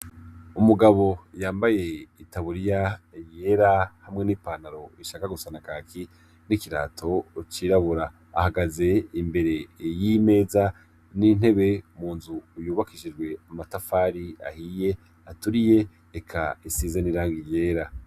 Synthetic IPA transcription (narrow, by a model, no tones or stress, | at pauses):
umuɡaβo̞jaːmbaje̞itaβuɾijajeɾahamŋe̞nipaːnaɾo̞iʃaːkaɡusanakaːkʰi | nikiɾa̰ːtʰo̞t͡ʃiːɾaβuɾa̰ː | haɡaze̞imbe̞ɾe̞jime̞ːza | nin̥he̞βe̞muːnzujuːβakiʒid͡ʒɡwe̞amatafaːɾia̰hije̞ | atuɾije̞ | ekʰa̰isizeniɾaːŋɡije̞ːɾa